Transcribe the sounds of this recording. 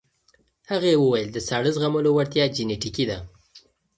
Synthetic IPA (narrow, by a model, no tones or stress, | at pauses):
haɣajewəwajəld̪əsɑɽəzɣaməlowaɽt̪jɑd͡ʒɪneʈikid̪a